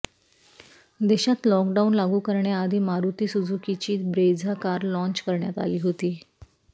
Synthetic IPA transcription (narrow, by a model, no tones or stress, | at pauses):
d̪eɕat̪lɔkɖaunlaɡuːkəɾɳjaːd̪ʱiːmaɾut̪iːsud͡zʱukit͡ɕiːt̪bɾed͡zʱakaɾlɔ̃ɲt͡ɕkəɾɳjat̪a̰liːɦot̪iː